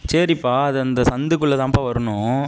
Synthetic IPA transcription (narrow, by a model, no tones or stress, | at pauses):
sɐɾipːaːɐðɯɐnd̪ɐsɐnd̪ɯkːɯɭːɐðãːpːaːʋɐɾɐɳʊ̃